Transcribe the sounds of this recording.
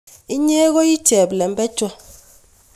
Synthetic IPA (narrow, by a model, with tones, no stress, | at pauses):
i˦ɲɛ˦k̬ɔ˦ji˦d̥ʒ̥ʱɛ˨ɓlɛ˨mbʼɛ̥˦ʒ̥ʱɔ˨˦